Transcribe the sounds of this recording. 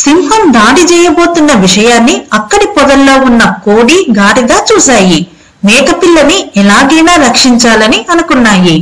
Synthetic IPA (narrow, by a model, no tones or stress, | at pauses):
simɦɐmd̪aːɽit͡ʃɛːjɐbo̞ːt̪unːɐʋiʂɐjaːnːiɐkːɐɽipɔd̪ɐlːo̞ːunːɐkoːɽiːɡaːɾiɡaːt͡ʃuːsaːji | nɛːkɐpilːɐniɛlaːɡɐjnaːɾɐkʂiɲt͡ʃaːlɐniʔɐnukunːaːji